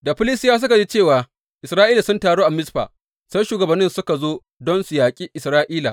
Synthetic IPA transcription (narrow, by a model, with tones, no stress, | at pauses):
da˨ɸɪ˦lɪ˦stɪ˦jaː˦s̬ʊ˦ka˨d͡ʒi˦t͡ʃeː˦˨waː˨ | ʔɪ˨sɾaː˦ʔiː˦la˨sʊ˦ntaː˨ɽoː˦ʔa˨mɪ˦sɸa̰ː˨ | sa˦jʃuː˨ɡɐ˨bɐ˨nːɪ˦nsʊ˦ka˨zoː˦ | dɔ˦nsʊ˨jaː˨kʲʼiː˦ʔɪ˨sɾaː˦ʔiː˦la˨